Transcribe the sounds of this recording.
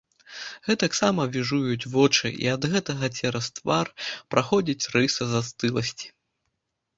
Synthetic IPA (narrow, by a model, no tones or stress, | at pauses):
ɣɛt̪ɐksamɐvʲiʐujut͡sʲvɔt͡ʂɨ̰ʔḭɐd̪ɣɛt̪ɐɣɐt͡sʲɛɾɐst̪varpɾʔaxɔd͡zʲit͡sʲrɨsɐzɐst̪ɨlˠɐsʲt͡sʲi̥